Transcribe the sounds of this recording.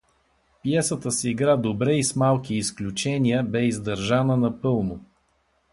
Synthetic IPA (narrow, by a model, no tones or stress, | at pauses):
pijɛsət̪əsiːɡɾad̪obɾɛismalˠkʲiːsklʲut͡ʃɛnʲiəbɛizd̪əɾʒanənɐpɤlˠnʊ